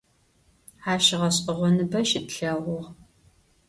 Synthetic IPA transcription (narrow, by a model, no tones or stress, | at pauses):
ħaːʃɪʁɐɕʼɪʁʷɔnɨbɐʃɪtɬɐʁʷʊʁ